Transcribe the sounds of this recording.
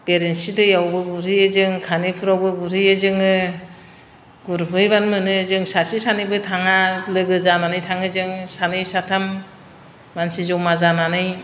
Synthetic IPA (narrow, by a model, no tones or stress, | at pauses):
peɾensidɯjawbɯɡuɾɯjɯzɯŋkʰanipʰuɾawbɯɡuɾɯjɯzɯŋɯ | ɡuɾpʰɯjbanmɯnɯzɯŋsasisanɯbɯtʰaŋalɯɡɯzananɯjtʰaŋɯzɯŋsanɯjsatʰamː | ansizɔwmazananɯj